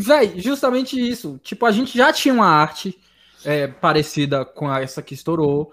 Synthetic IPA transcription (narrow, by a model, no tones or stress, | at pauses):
vɛjʒust̪ɐmẽnt͡ʃɪisʊt͡ʃipʊaʒẽnt͡ʃɪʒat͡ʃĩɲɐũmɐaɾt͡ʃɪ | ɛpaɾesid̪ɐkõɐɛsɐkɪːst̪oɾo